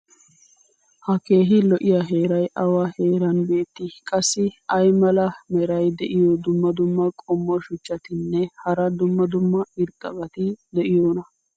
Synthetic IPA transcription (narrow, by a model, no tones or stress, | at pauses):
hɐke̞ːɦɪlɔʔɪjaːɦe̞ːɾɐjʔɐwaheːɾɐnbe̞ːt̪ːɪkʼɐsːɪɐjmɐlɐmɛɾɐjd̪ɛʔɪjɔd̪ʊmːɐd̪ʊmːɐkʼɔmːɔʃʊt͡ʃːɐt̪ɪnːɛhɐɾɐd̪ʊmːɐd̪ʊmːɐɪɾkʼːɐ̰ɡɐt̪ɪd̪ɛʔɪjoːnɐ